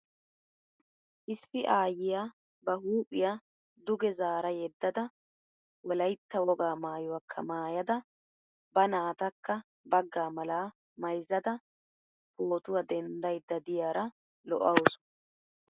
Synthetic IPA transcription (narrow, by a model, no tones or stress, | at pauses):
ʔɪsːɪʔaːjɪjaː | bɐɦuːpʼːɪja | d̪ʊɡɛzaːɾɐjɛd̪ːɐd̪ɐ | wɔlɐjt̪ːɐwɔɡaːmaːjʊwɐkʰːɐ̰maːjɐd̪ɐ | bɐnaːt̪ɐkːɐ | bɐɡːaːmɐlaː | mɐjzːɐd̪ɐ | poːt̪ʊwɐd̪ɛnd̪ɐjd̪ːɐd̪ɪjaːɾɐ | lɔʔɐwʊsʊ̥